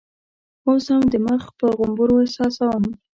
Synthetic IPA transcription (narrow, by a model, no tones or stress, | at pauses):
oshamd̪əməxpəɣʊmbuɾosɑsawəm